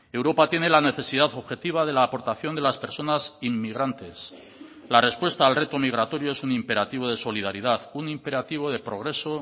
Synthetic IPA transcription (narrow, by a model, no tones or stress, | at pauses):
e̞wɾo̞pat̪je̞ne̞lane̞θe̞sið̞aθo̞βxe̞t̪iβ̞að̞e̞laːpo̞ɾt̪aθjo̞nd̪e̞laspe̞ɾso̞nasimːiɣ̞ɾant̪e̞s | lare̞spwe̞st̪aːlre̞t̪o̞miɣ̞ɾat̪o̞ɾjoe̞sunimpe̞ɾat̪iβ̞o̞ð̞e̞so̞lið̞aɾið̞aθunimpe̞ɾat̪iβ̞o̞ðepɾo̞ɣ̞ɾe̞so̞